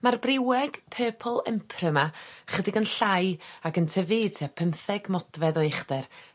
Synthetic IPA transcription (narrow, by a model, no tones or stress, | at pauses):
marbrɪwɛɡ̥pʰəːpʰəlˠɛmpʰrəmaχədɪɡənɬajakəntʰəvitʰiapʰəmθɛɡmɔdvɛðɔɪχdɛr